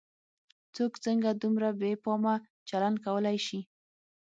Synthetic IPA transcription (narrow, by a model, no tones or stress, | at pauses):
t͡sokt͡səŋɡad̪umɾabepɑma | t͡ʃaland̪̚kawəlajʃi